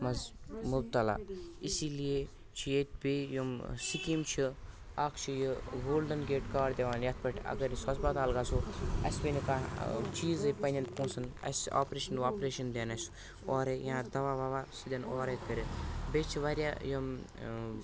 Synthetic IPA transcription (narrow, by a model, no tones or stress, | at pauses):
mɐzmubt̪ɐla̰isilije | t͡ʃʰijet̪̚ʲbejomsikimt͡ʃʰi | aːkʰt͡ʃʰijiɡoːlɖɐnɡʲeːʈkaːɾd̪ʲeʋaːnjɐt̪̚ʰpɐʈʰʲɐ̰ɡɐɾisɐsbɐt̪aːlɡaːsoɐ̰sʲbʲenʲikat͡ʃiːzɨpɐnʲɐnpũːsɐnɐ̰sʲa̰ːpɾeːʃɐnaːpɾeːʃɐnd̪eːnɐsʲ | ɔːɾejãːd̪ɐʋaːʋaːʋaːsɨd̪ʲenoːɾekɐɾʲibet͡ʃʰiʋaɾʲaːjom